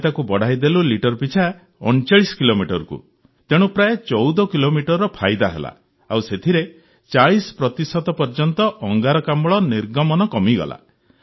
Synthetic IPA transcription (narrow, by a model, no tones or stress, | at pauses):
t̪akubɔɽ̤ajd̪eluliʈɔɾpit͡ʃʰa | ɔɳt͡ʃaɭisɔ̥kilomiʈɔɾukṵ | t̪eɽ̃upɾaet͡ʃɔwd̪ɔkilomiʈɔɾɾɔpʰajd̪aɦḛla̰ | a̰wset̪ʰiɾe | t͡ʃaɭisɔ̥pɾɔt̪isɔt̪ɔpɔɾd͡ʒɔnt̪ɔʔɔŋɡaɾɔkambɭɔniɾɡɔmɔnɔkɔmiɡɔ̰la̰